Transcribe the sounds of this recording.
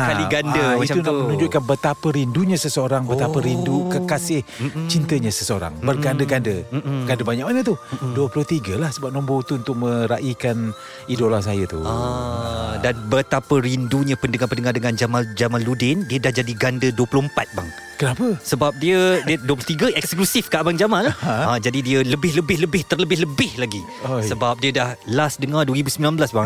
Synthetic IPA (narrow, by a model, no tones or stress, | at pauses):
akaliɡandəiuamənũɲd͡ʒʊʔ̪kanbət̪apəɾinduɲəsəsəoɾaŋbət̪apəɾindukəkasɪht͡ʃint̪əɲəsəsəoɾa̰ŋbərɡandəɡandəɡandəbaɲak̚manət̪uduəplʊht̪iɡəlahsəbap̚nɔ̃mbowt̪uːnt̪ʊk̚mə̃ɾaʔikan | idolas̬ajət̪ṵ | danbət̪apəɾinduɲəpəndəŋapəndəŋardəŋãnd͡ʒamad͡ʒamaludɪndiədahd͡ʒadiɡandəduwəpulʊhəmpat̪̚ba̰ŋ | kənapəsəbap̚diədiduəplʊht̪iɡəʔɛksklusɪfkaʔbaŋd͡ʒamanlahad͡ʒadidiələbɪhləbɪhləbɪht̪ərləbɪhləbɪhlaɡi | ssəbap̚diədahlasdəŋaduəɾibusəmbilanbəlasba